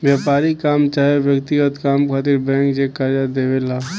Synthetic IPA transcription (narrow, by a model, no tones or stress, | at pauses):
ʋjaːpaːɾikaːmt͡ʃaːɦeʋjəkt̪iɡət̪kaːmkʰaːt̪iɾbɛ̃ːŋkd͡ʒekaɾjad̪eːʋela